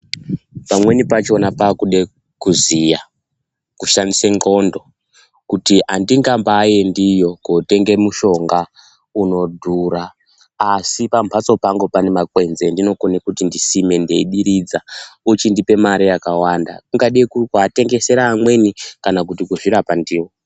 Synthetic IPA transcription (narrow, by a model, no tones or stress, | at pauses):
pamwe̞nipat͡ʃo̞napakuɗe | kuzija | kuʃandiseŋɡo̞ndo̞ | kutiandiŋɡambaːje̞ndijo̞kote̞ŋɡe̞muʃo̞ŋɡa | uno̞dʱuɾaː | sipampʰat͡so̞paŋɡo̞pane̞makwe̞nze̞ndino̞konekutindisime̞ndeiɗiɾid͡zaut͡ʃindipe̞maɾijakawanda̰kuŋɡaɗikukate̞ŋɡe̞se̞ɾaːmwe̞nikanakutikuʐiɾapandiːwo